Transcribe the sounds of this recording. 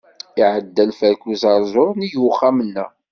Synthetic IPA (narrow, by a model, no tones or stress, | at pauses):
iʕəd̪ːælfæɾkuzɑɾˤzˤʊɾˤnijuwχːamənːæ̰